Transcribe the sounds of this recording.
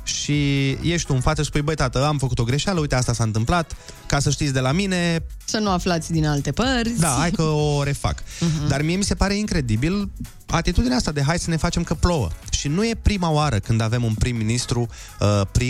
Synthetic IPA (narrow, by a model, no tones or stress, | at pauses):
ʃije̞ʃt̪uɨnfat̪səspujbəjt̪at̪əamfəkut̪o̞ɡɾe̞ʃaləujt̪east̪asaɨnt̪ɨmplat̪ | kasəʃt̪it̪sʲd̪e̞lamine̞ | sənuaflat̪sʲd̪inalt̪e̞pərʲsʲd̪aajkəoɾe̞fa̰kd̪armijemise̞paɾe̞iŋkɾe̞d̪ibil | at̪it̪ud̪ineaast̪ad̪e̞ɦajsəne̞fat͡ʃemkəplo̞wə̰ʃinuje̞pɾimaoaɾəkɨnd̪ave̞munpɾimːinist̪ɾu | əpɾi